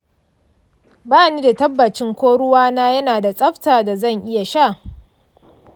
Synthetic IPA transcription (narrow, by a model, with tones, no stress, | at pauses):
baː˦˨niː˦da˨tɐ˦bːɐ˨t͡ʃɪ˦ŋkʷoː˦ɽʊ˦waː˦naː˦jɐ˦naː˨da˨sʼɐ˦ɸtaː˨da˨zɐ˦˨ŋʔɪ˦ja˨ʃa˦˨ʔ